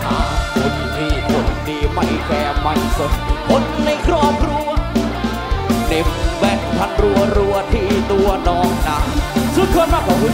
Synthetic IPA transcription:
ʔaː˧˩ko˨˧nt̪ʰiː˧˩kʰo˨˧ndiː˧ma˧˩jkɛː˧ma˧˩jso˨˩t̚mo˦˥n̚na˧jkʰɾɔː˧˩p̚ʰɾu˧ə | ne˧˥mbɛː˨˧˩n̚p̪ʰa˧˥n̚ɾu˧˩əɾu˧ət̪ʰiː˧˩t̪u˧ɐnɔː˧˥ŋna˦˥su˨˦˥kʰoː˧nmaː˧˥˩pʰa˧wi˦

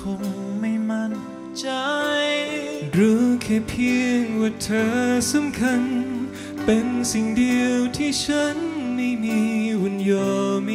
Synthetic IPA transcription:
kʰo˧˥ŋma˥˩jma˧˩˨n | t͡ɕa˧jɾuː˨˦kʰɛ˧˩pʰi˧əŋwaː˧˩t̪ʰɤː˧˥sa˧˥mkʰa˧n | pe˨˧nsi˨˩ŋdi˧əwt̪ʰiː˥˩t͡ɕʰa˦˥nma˥˩jmiː˧˥wu˨˧˥njoː˧˩m˧

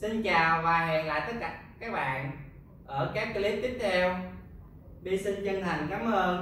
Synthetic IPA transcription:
si˧nt͡ɕaː˨˩wvaː˨˩ɦɛ˨˩ŋla̰ː˧˨jt̪ə˦˥t̚ka˧˩kaː˦˥k̚ɓa̰ː˧˨n | ʔəː˧˩kaː˦˥k̚ːli˦˥p̚t̪ï̟˦˥t̪ʰɛ˧w | ɗi˧si˧nt͡ɕə˧nt̪ʰa˨˩jŋ̟kaː˨˦mʔəː˧n

